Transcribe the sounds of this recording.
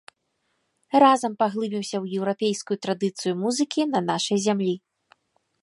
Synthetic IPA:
razɐmpaɣlˠɨbʲimsʲɐwjɛwɾapʲejskujut̪ɾad̪ɨt̪sɨjumuzɨkʲinɐnaʂɐjzʲamlʲi

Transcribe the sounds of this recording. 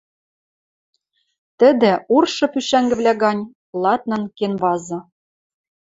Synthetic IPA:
t̪ɘ̆d̪ɘ̆urʃɤ̆pyʃæŋɡɘ̆βlʲæɣɑnʲ | lˠɑt̪̚nɤ̆nkenβɑzɤ̆

